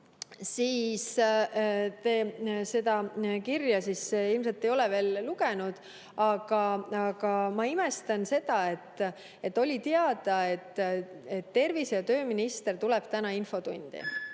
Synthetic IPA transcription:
siːs | t̪eːse̞d̪ɑkirjɑsisilms̬elt̪ːˑejo̞lɛve̞ːlːuɡenud̪̥ | ɑɡ̥ɑɑɡ̥ɑmɑimest̪ɑnse̞d̪̥ɑet̪ː | e̞t̪ːo̞lʲit̪eɑd̪̥ɑe̞t̪ːet̪ːe̞rvisjɑt̪ø̞ːminist̪e̞rt̪ulɛb̥t̪ænɑinfo̞t̪unʲd̪̥ḭ

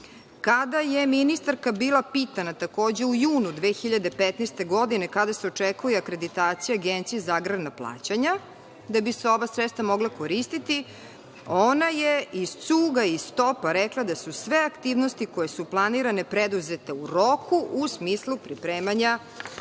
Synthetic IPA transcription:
kad̪ajeminist̪aɾkabiːlˠapiːt̪anat̪ako̞ːd͡ʑe̞ujuːnud̪ʋeːxiʎad̪e̞pet̪nest̪e̞ɡo̞d̪inekad̪aseot͡ʂekujeakɾe̞d̪it̪aːt̪sijaɡent̪sijezaɡɾadnaplˠa̰ːt͡ɕaɲa | d̪abiseo̞ʋasɾɛt̪st̪vamo̞ɡlˠako̞ɾist̪it̪i | onajeiz̥t̪suːɡaisst̪o̞paɾɛklˠad̪asusʋeakt̪iːʋnost̪ikojesuplˠaniɾanepɾed̪uzet̪euɾo̞kʰuʔːsmiːslupɾipɾeːmaɲa

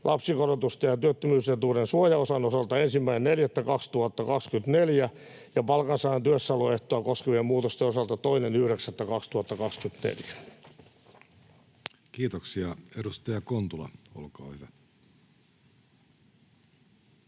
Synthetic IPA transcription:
lʔɑpsikorot̪ust̪ɑjɑt̪yøt̪ːømyːset̪uːrensuojɑosɑnosɑlt̪ɑensimːæinenneljæt̪ːækɑkst̪uhɑt̪ːɑkɑkskynt̪neljæ | jɑpɑlkɑnsɑːɑnt̪yøsːɑloeht̪oɑkoskeʋiemmuːt̪ost̪eosɑlt̪ɑt̪oinenyhɾeksæt̪ːækɑkst̪uɑt̪ːɑkɑkskynt̪nḛljæ | kiːt̪oksiɑedust̪ɑjɑkont̪ulɑ̰o̰lkɑo̰ːhyʋæ

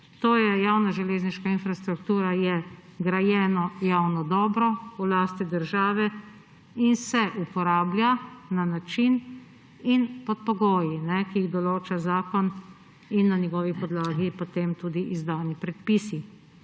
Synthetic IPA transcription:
t̪oːjɛjaːwnaʒɛleːzniʃkainfɾast̪ɾuk̚t̪uːɾajɛɡɾajɛːnɔjawnɔd̪ɔːbɾɔulaːst̪id̪əɾʒaːʋɛ | insɛʔupɔɾaːbljananat͡ʃin | inpɔt̪̚pɔɡoːjinɛkiiɣd̪ɔloːt͡ʃazaːkɔn | inːanjɛɡɔːʋipɔd̪laːɡipot̪emt̪uːd̪iʔizd̪aːnipɾɛt̪pisi

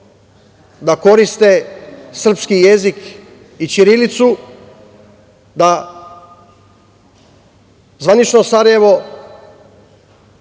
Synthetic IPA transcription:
d̪ako̞ɾist̪esr̩pskijezik | it͡ʃiɾilit̪su | d̪a | zʋanit͡ʃno̞saɾaje̞ʋo̞

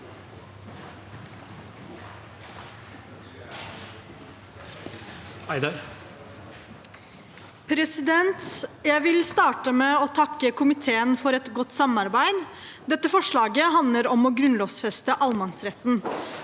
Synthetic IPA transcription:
æɪd̪ɑɾ | pʰɾɛsɪd̪ɛnt̪jæɪʋɪlst̪ɑːʈəmeːɔːt̪ʰɑkːəkʊmɪt̪ʰeːənfɔɾɛt̪ɡɔt̪ːsɑmɑɾbæɪd̪d̪ɛt̪ːəfɔʂɭɑːɡəɦɑnd̪ləɾɔmɔɡɾʉnloːʋsfɛst̪əʔɑlmɑnsɾɛt̪n

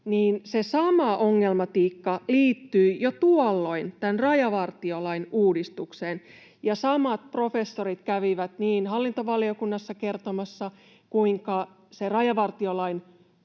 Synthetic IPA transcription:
niːnsesɑmɑʔoŋːelmɑt̪iːkːɑliːt̪ːyːjot̪uolːo̞int̪ænrɑjɑʋɑrt̪iolɑinuːdist̪ukseːn | jɑsɑmɑt̪̚pro̞fe̞sːoɾit̪kæʋiʋæt̪niːnɦɑlːint̪oʋɑliokunːɑsːɑke̞rt̪omɑsːɑ | kuiŋkɑ | serɑjɑʋɑrt̪iolɑin

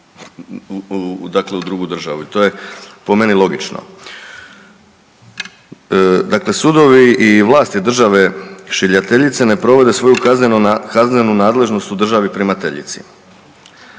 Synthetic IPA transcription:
d̪akle̞ud̪ɾuɡud̪r̩ʒa̰ʋuit̪o̞ːje̞po̞me̞nilˠo̞ɡit͡ʃno̰ | d̪akle̞sud̪o̞ʋiːʋlˠaːst̪jed̪r̩ʒaʋe̞ʃiʎat̪e̞ʎit̪se̞ne̞pɾo̞ʋe̞d̪e̞sʋo̞juknekazne̞nunaːd̪le̞ʒno̞st̪ud̪r̩ʒaʋipɾimat̪ḛʎḭt̪sḭ

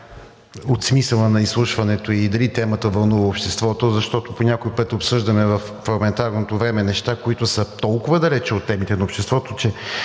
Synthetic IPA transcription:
ot̪smisəlˠənɐislˠuʃvɐnɛt̪oid̪ɐlit̪ɛmət̪əvɐlˠnuvɐopʃt̪ɛst̪vɔt̪ozɐʃt̪ɔt̪oponʲakoipɤt̪ʲopsɤʒd̪əmɛvɐf | fɾɐɡmɛnt̪aɾnot̪ovɾɛmɛnɛʃt̪akoit̪ʊsət̪ɔlˠkʊvəd̪ɐlɛt͡ʃɛot̪ːɛmit̪ɛnɐopʃt̪ɛst̪vɔt̪ot͡ʃɛ

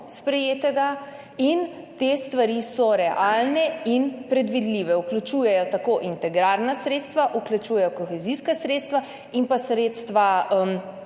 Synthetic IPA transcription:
spɾɛjeːt̪ɛɡa | in | t̪est̪ʋaɾisɔɾɛʔalnɛinpɾɛd̪ʋid̪liʋɛuklut͡ʃuːjɛjɔt̪akoːʔint̪ɛɡɾaɾnasɾeːt̪st̪ʋaʔuklʲut͡ʃuːjɛjɔkɔxɛziskasɾeːt̪st̪ʋa | inpasɾeːt̪st̪ʋaəm

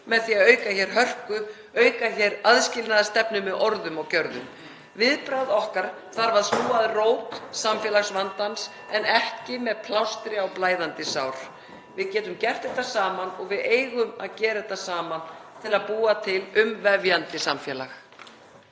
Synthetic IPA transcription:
mɛðθiaðœːɥkaçɛɾ̥ɦœr̥kʏ | œːɥkaçɛɾaðscɪlnaðast̪ɛpnʏmɛðɔɾðʏmɔɣcœɾðʏ̰m | vɪðpɾawðɔhkaɾ̥ | θaɾvaɾðsuːaðroːwt̪samfjɛlaɣsvant̪ans | ɛnɛhcɪmɛðpʰlawst̪ɾɪawplaːjðant̪ɪsawɾ̥ | vɪðcɛːt̪ʏmcɛr̥t̪ɛht̪ːasaːmanɔɣvɪðeːjɣʏma̰ðcɛːɾaɛt̪ːasaːmant̪ʰɪlaðpuːat̪ʰɪlʏmvɛvjant̪ɪsamfjɛːlax

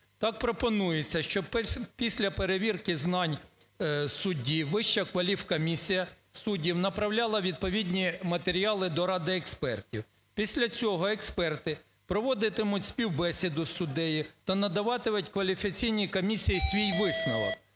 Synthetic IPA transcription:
t̪ɑk̚pɾɔpɔnujet͡sʲːɐʃt͡ʃɔbppʲisʲlʲɐpeɾeʋʲirkɪznɑnʲ | sʊdʲiʋɪʃt͡ʃɐkʋɐlʲiwkɔmʲisʲijɐ | sudʲiwnɐpɾɐwlʲɑlˠɐʋʲid̪̚pɔʋʲidʲnʲimɐt̪eɾʲiɑlˠɪd̪ɔɾɑd̪ɪɛkspɛrtʲiw | pʲisʲlʲɐt͡sʲɔɦɔɛkspɛrt̪ɪ | pɾɔʋɔd̪ɪt̪ɪmʊtʲsʲpʲiwbɛsʲid̪ʊsʊd̪ɛjit̪ɐnɐd̪ɐʋɑt̪ɪmʊtʲkʋɐlʲifʲikɐt͡sʲijnʲikɔmʲisʲijisʲʋʲijʋɪsnɐʋɐk̚

